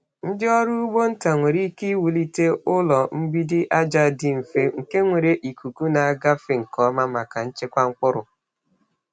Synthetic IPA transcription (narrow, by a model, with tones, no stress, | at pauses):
n̩˦dɪ˦ɔ˦ɾu˦u˦ɡ͡bo˦n̩˦ta˨ŋʷe˨ɾi˦ki˦wu˨li˦te˦ʊ˦lɔ˨m̩˦bi˦dɪ˦ʔa˦d͡ʒa˦dɪ˦m̩˨fe˦ŋ̩˨ke˦ŋʷe˨ɾe˨ʔi˨ku˨ku˦na˨a˦ɡa˦fɪ˨ŋ̩˨kɔ˦ma˦ma˨ka˨n̩˦t͡ʃe˦kʷa˦ŋ̩˦k͡pʊ˦ɾʊ˨